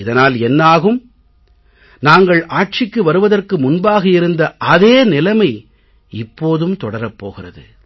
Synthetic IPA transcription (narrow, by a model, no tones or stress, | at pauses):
ɪðɐnaːlɛnːaːɣɯm | naːŋɡɐɭʔaːʈ̚t͡ʃɪkːɯʋɐɾɯʋɐðɐrkɯmʊnbaːɣɐɪɾɯnd̪ɐʔɐðeːnɪlɐmɐɪ | ɪpːoːðɯmt̪ɔɽɐɾɐpːo̰ːɣɪrɐðɯ̰